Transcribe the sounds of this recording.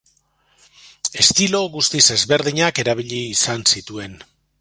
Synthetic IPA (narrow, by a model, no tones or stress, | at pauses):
e̞st̪ilo̞ɣust̪ise̞zβe̞ɾðiɲake̞ɾaβ̞iʎiːsansit̪ue̞n